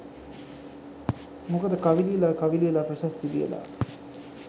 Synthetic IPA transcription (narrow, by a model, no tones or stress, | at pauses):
mukəd̪əkaʋiliəlakaʋilijəlapɾəʃast̪id̪ḭjə̰la̰